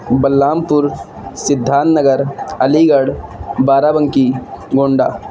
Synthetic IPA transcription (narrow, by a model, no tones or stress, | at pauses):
bɐlːaːmpʊɾ | sɪd̪ʱːaːnnəɡəɾɐliɡəɽbaːɾabə̃ŋkiɡoːɳɖaː